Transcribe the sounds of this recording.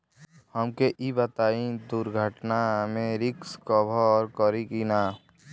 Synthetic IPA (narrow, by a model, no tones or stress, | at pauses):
həmkeʔibət̪aːĩd̪ʊɾɡʱəʈnamẽɾɪkskɔbʱɔɔːɾkɔɾikina